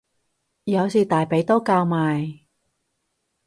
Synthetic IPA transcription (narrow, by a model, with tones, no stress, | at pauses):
jɐ˨˧wsiː˨t̪aː˨jpe˨˥jt̪oː˥kaː˧wmaː˨j